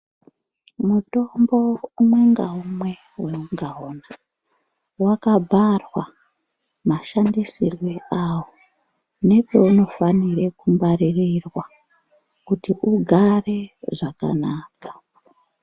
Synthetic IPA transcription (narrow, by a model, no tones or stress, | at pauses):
muto̞mbo̞umwe̞ŋɡaumwe̞ | we̞uŋɡaona | wakabʱarwa | maʃandisirweawo | ne̞pe̞uno̞fanire̞kumbaririrwa | kutiʔuɡʱare̞ʐaka̰naːkḁ